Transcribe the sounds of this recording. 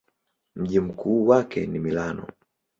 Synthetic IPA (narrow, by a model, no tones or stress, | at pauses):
m̩ʄim̩kʰuːwakɛnimilanɔ̰